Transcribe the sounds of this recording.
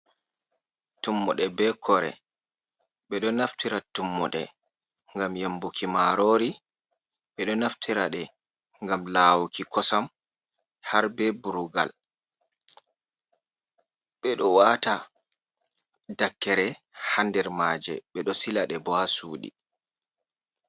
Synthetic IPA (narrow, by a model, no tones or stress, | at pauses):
tumːɔɗɛbɛkʰɔɾɛ̰ | ɓɛɗɔnaftiɾatumːɔɗɛ | ŋɡamjambukʰimaɾoːɾi | ɓɛɗɔnaftʰiɾaɗɛ | ŋɡamlaːwukikʰɔsam | haɾbɛbuɾuɡa̰l | ɓɛɗɔwaːta | dakːɛɾɛ | handɛɾmad͡ʒɛ̰ɓɛɗɔsilaɗɛbɔhasuːɗḭ